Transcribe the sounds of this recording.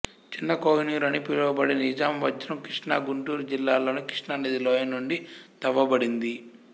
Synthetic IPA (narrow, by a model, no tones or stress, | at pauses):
t͡ʃinːɐkoːɦiniːɾɐnipilɐʋɐbɐɽinɐid͡ʒaːmʋɐd͡ʒɾɐmkɾiʂɳaːɡuɳʈuːɾud͡ʒilːaːlo̞ːnikɾi̥ʂɳaːnid̪iloːjɐnːuɳɖit̪ɐʋːɐbɐɽind̪i